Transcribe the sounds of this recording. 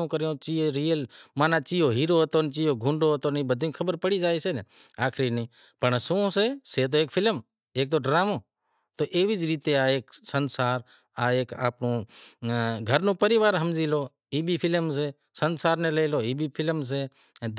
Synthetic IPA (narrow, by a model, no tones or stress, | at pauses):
õːkəɾjõːt͡ʃiːɾiːəlmaːnãːt͡ʃiːɦoːɦiːɾoːɦət̪oːnt͡ʃiːɦoːɡʱʊ̃ɳɖoːɦət̪oːnĩbəd̪ʱĩkʰəbəɾpəɽiːd͡ʒaːiːseːne | aːkʰɾinĩː | pəɳsõːseːseːt̪̬oːeːkpʰɪlm | eːk̚t̪oːɖɾaːmõː | t̪oːʔeːʋid͡ʒɾiːt̪eaːeːksənsaːɾ | aːeːka̰ːpnõː | ɡʱəɾnũːpəɾɪʋaːɾɦəmd͡ʒiːloː | iːbʱiːpʰɪlms̬eː | sənsaːɾnẽːleːloːiːbʱiːpʰɪlms̬eː | d̪